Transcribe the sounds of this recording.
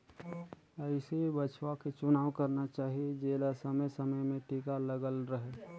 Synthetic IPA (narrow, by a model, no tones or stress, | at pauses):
əɪsebət͡ʃwaket͡ʃʊnaːwkəɾnat͡ʃaːɦied͡ʒeːlasəməjsəməjmẽʈʰiːkaləɡəlɾəɦeː